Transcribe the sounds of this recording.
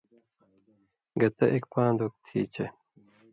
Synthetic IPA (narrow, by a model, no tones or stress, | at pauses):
ɡɐt̪ɐʔekpãːnd̪ok̚t̪ʰḭːt͡ɕʰe